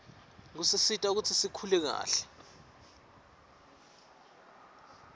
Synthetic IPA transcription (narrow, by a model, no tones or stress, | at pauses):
ŋ̬usisitʼauk̬ut͡sʰisikʰulɛk̬a̰ːɬɛ̥